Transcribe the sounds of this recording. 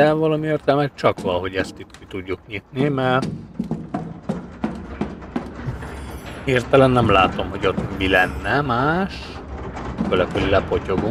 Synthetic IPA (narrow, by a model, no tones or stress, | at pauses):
ɛvɒlɒmieːrt̪ɛlmɛt̪̚t͡ʃɒkʋɒlɦo̞ɟɛst̪it̪kit̪uɟːukɲit̪nimɛr | hirt̪ɛlɛnːɛmlaːt̪o̞mɦo̞ɟo̞t̪bilɛnːɛmaːʃ | kølɛkølilɛpo̞co̞ɡu